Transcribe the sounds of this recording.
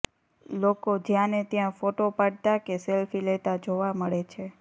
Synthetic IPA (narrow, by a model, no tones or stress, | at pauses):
lokod͡ʒjãnet̪jãfoʈopaɽt̪akeselfilet̪ad͡ʒoʋaməɭet͡ʃʰe